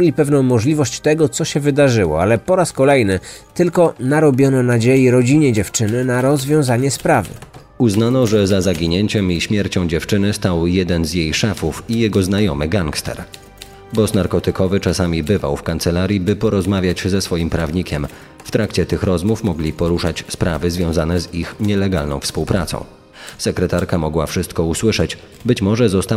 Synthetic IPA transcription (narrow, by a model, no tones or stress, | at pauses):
lʲipɛvnɔ̃w̃mɔʐlʲivɔɕt͡ɕt̪ɛɡɔt̪sɔɕɛvɘd̪aʐɘwɔ̰alɛpɔɾaskɔlɛjnɘt̪ɘlkɔnaɾɔbʲjɔnɛnad͡ʑejiɾɔd͡ʑiɲɛd͡ʑɛft͡ʂɘnɘnaɾɔzvʲjɔ̃w̃zaɲɛspɾavɘ̰ | uznanɔʐɛzazaɡʲiɲɛɲt͡ɕɛmiɕmʲjɛɾt͡ɕɔ̃w̃d͡ʑɛft͡ʂɘnɘst̪awjɛd̪ɛnzjejʂɛfufijɛɡɔznajɔmɘɡaŋkst̪ɛ̰ɾ | bɔsnaɾkɔt̪ɘkɔvɘt͡ʂasamʲibɘva̰wfkant̪sɛlaɾʲjibɘpɔɾɔzmavʲjat͡ɕzɛsfɔjimpɾavɲikʲɛm | ft̪ɾʔakt͡ɕɛt̪ɘxɾɔzmufmɔɡlʲipɔɾuʂat͡ɕspɾavɘzvʲjɔ̃w̃zanɛzixɲɛlɛɡalnɔ̃w̃fspuwpɾat̪sɔ̰̃w̃ | sɛkɾɛt̪aɾkamɔɡwafʂɘst̪kɔuswɘʂɛt͡ɕ | bɘt͡ɕmɔʐɛzɔst̪a